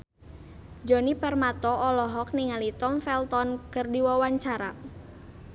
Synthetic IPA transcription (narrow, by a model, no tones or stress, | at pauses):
d͡ʒɔnipɛrmat̪ɔʔɔlɔɦɔk̚niŋalit̪ɔmfɛlt̪ɔnkərdiwawaɲt͡ʃaɾa